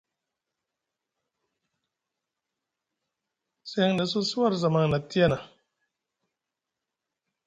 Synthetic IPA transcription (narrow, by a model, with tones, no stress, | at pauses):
sɛ˦ŋda˨so˦su˦wa˦˨ɾza˨ma˦ŋna˨ti˦a˦na˨